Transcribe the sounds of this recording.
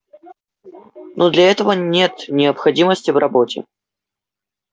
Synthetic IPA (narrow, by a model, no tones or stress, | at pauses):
nʔod̪lʲɐɛt̪əvənʲe̞t̪nʲɪəpxɐdʲiməsʲtʲɪvrɐbotʲɪ̰